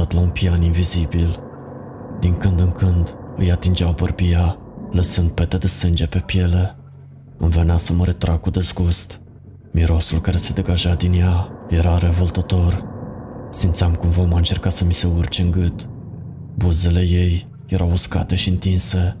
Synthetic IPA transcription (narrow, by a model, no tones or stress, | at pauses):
at̪launpianinvizibil | d̪iŋkɨnd̪ɨŋkɨnd̪ɨjat̪ind͡ʒeawbərbija | ləsɨnd̪̚pe̞t̪ed̪e̞sɨnd͡ʒe̞pe̞pje̞le | ɨ̰nvenasəməɾe̞t̪ɾakud̪ezɡust̪ | miɾo̞sulkaɾe̞se̞d̪e̞ɡaʒad̪injaje̞ɾaɾe̞vo̞lt̪ət̪o̞r | simt̪sʲamkumvamaɨnt͡ʃe̞rkasəmise̞urt͡ʃɨŋɡɨt̪ | buze̞le̞je̞j | je̞ɾawuskat̪e̞ʃiɨnt̪inse̞